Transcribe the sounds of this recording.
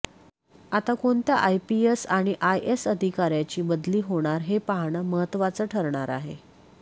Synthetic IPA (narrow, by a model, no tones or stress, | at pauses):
at̪akoɳt̪jaʔajpiesaɽ̃iʔajesəd̪ʱikaɾjat͡ɕiːbəd̪liːɦoɽ̃aɾɦepaɦɳəməɦət̪ːʋat͡səːʈʰəɾɳaɾaɦe